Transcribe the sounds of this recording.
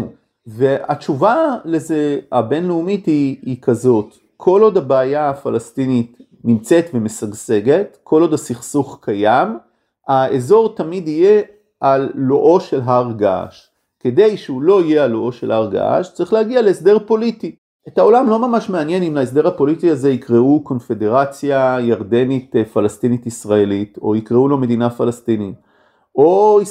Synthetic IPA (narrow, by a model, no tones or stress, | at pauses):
vea̰t͡ʃuvale̞zeabe̞nleumitiikazo̞t | kʰo̞lo̞dabeajaːfalast̪init̪ | nimt͡se̞t̪veme̞saɡse̞ɡe̞tkʰo̞lo̞dasiχsuχkajam | aezo̞ʁtamidije | alːoʔo̞ʃe̞lɦaʁɡa̰ʃ | ke̞d̪e̞jʃeulo̞ije̞alːoʔo̞ʃe̞laʁɡa̰ʃt͡saʁiχlehaɡialeesde̞ʁpo̞liti | etao̞lamlo̞mamaʃmeanje̞nimlaes̬d̪e̞ʁhapo̞litiaze̞ikʁeuko̞nfe̞de̞ʁat͡sjajaʁd̪e̞nit̪falast̪initisʁae̞lito̞ikʁeulo̞me̞d̪inafalast̪init | o̞i